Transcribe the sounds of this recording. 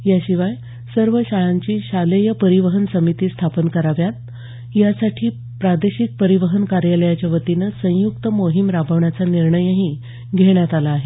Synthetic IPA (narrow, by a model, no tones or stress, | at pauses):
jaɕiʋaj | səɾʋəɕaɭaɲt͡ɕiːɕaləjəpəɾiʋəɦənsəmit̪iːst̪ʰapənkəɾaʋjat̪̚ | jasaʈʰiː | pɾad̪eɕik̚pəɾiʋəɦənkaɾjaləjat͡ɕaʋət̪inəsə̃jukt̪əmoɦimɾabʱəʋɳjat͡saniɾɳəjəɦi | ɡʱeɳjat̪alaːɦe